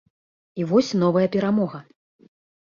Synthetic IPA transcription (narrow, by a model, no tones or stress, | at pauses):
ivɔsʲn̪ɔvɐjɐpʲɛɾamɔɣɐ